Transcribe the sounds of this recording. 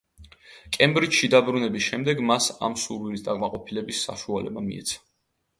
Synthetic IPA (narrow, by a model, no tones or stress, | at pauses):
kʼɛmbɾit͡ʃʃid̪abɾunɛbisʃɛmd̪ɛɡmasa̰msuɾwilisd̪aqʼmaqʼɔpʰilɛbisːa̰ʃualɛbamḭɛ̰t̪sʰḁ